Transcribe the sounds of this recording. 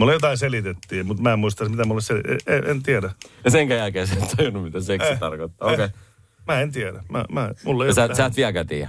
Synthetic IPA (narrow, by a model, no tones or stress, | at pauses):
mulːejot̪ɑiselit̪et̪ːiːmut̪mæemmuist̪ɑsmit̪æmulːeseliḛeent̪iædæɑseŋkæjælkeːsæːt̪t̪ʰɑjunːummit̪æseksit̪ɑrkot̪ːɑ̰ːoke | mæent̪iæɾæmæ̰mæmulːejosæːsæːt̪ʋiælkæt̪ḭːæ̰